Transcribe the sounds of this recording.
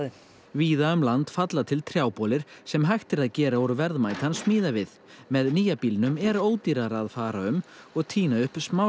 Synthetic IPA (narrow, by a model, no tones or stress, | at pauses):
viːðaʏmlant̪fat̪lat̪ʰɪlt̪ʰɾjaːwpɔlɪɾ̥sɛmɦajxt̪ɪɾaðcɛːɾaɔɾvɛɾðmaːjt̪ansmiːðavɪð | mɛðniːjapiːlnʏmɛɾoːwt̪iɾaɾaðfaːɾaʏmɔɣt̪ʰiːnaʏhpsmaw